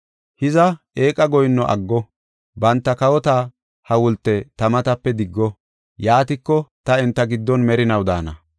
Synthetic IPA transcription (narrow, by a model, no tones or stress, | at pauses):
hɪzɐ | eːkʼːɐɡɔjnːɔʔɐ̰ɡːɔ | bɐnt̪ːɐkɐwɔt̪aː | hɐwʊlt̪ːɛt̪ɐmɐt̪ɐpːɛd̪ɪɡːɔ | jaːt̪ɪkːɔt̪ɐɛnt̪ːɐɡɪd̪ːɔnmɛɾɪnɐwd̪a̰ːnɐ̰